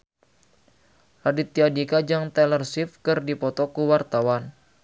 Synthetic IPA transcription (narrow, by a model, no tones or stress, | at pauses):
radit̪̚ːiadikad͡ʒaŋt̪ɛlərsifkɨrdipɔt̪ɔkuwart̪awan